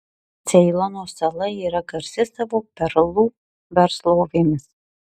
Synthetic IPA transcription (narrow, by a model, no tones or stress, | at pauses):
t̪sʲɛɪlˠɐnoːsɐlˠɐiːɾɐɡɐɾʲsʲɪsɐʋoːpʲɛɾlˠuː | ʋʲɛɾslˠoːʋʲeːmʲɪs